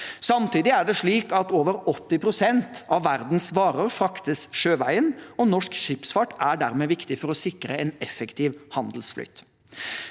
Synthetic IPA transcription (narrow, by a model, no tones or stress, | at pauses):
sɑmt̪iːd̪ɪæɖɛʂɭiːkɑt̪oːʋəɾɔt̪ːɪpʰɾʊsɛnt̪ɑʋːæɾd̪n̩sʋɑːɾəɾfɾɑkt̪əsʂøːʋæɪənɔnɔʂkʃɪpsfɑʈæɖæ̰ɾmɛʋɪkt̪ɪfɔɾɔsɪkɾəɛnɛfːɛkt̪ʰiːʋhɑnd̪l̩sflʏ̰t̪